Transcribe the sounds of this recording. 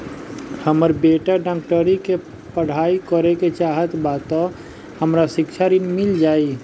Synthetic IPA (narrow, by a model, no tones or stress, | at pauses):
həməɾbeːʈəɖãk̚ʈəɾike | pəɽ̤aːikəɾeket͡ʃaːɦət̪baːt̪ɔ̃ | həmɾasɪkt͡ʃʰaɾinmɪld͡ʒaːi